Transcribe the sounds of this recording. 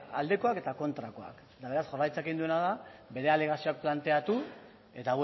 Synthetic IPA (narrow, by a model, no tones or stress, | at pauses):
a̰ld̪e̞ko̞ake̞t̪ako̞nt̪ɾako̞a̰k | t̪aβe̞ɾasʝo̞rajt͡sakind̪ue̞naðabe̞ɾe̞ale̞ɣ̞asio̞ak̚plant̪e̞at̪u | e̞t̪a